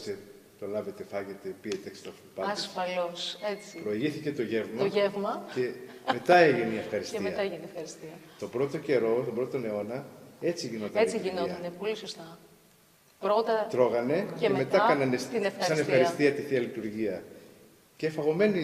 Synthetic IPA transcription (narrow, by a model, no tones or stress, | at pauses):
se | t̪o̞lɐve̞t̪e̞fɐʝet̪e̞piet̪eekst̪ofipɐɐissfɐloset͡si̥pɾoiʝiθice̞t̪o̞ʝe̞vmɐoʝevmɐce̞me̞t̪ɐeʝineiefxɐɾist̪iɐɐeʝiniefxɐɾist̪iɐt̪obɾo̞t̪o̞ceɾo̞st̪obɾoot̪one̞o̞nɐe̞t͡siʝino̞t̪ɐet͡siʝinot̪ɐnepo̞lisost̪ɐ | ɾot̪ɐt̪ɾo̞ɣɐne̞ceemme̞t̪ɐkɐnɐnesinefɐsɐsnefxɐɾist̪iɐt̪iθiɐlit̪uɾʝiɐ | cefɐɣo̞me̞ni